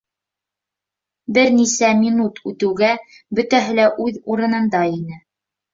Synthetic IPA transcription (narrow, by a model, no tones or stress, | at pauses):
bɘɾnisæmʲinut̪ʰʉt̪ɘ̆wɡæ | bɵ̆t̪æɦɘ̆læʔʉðuɾɤ̆nɤ̆nd̪ɑinɘ